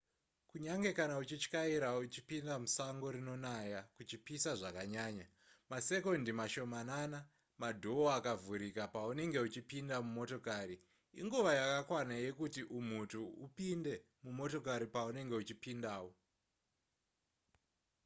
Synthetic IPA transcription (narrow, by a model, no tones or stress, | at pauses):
kuɲaŋɡe̞kanaut͡ʃit͡ʃkaiɾaut͡ʃi̥pindamusaŋɡo̞ɾino̞najakut͡ʃipisaʐakaɲaːɲa | mase̞kondimaʃo̞manana | madʱooakavuɾikapaune̞ŋɡe̞ut͡ʃipindamumo̞to̞kaːɾi | ḭŋɡuʋajakakwanaje̞kutiʔum̤utuṵpinde̞ | mumo̞to̞kaɾipaune̞ŋɡe̞ut͡ʃipindaːwo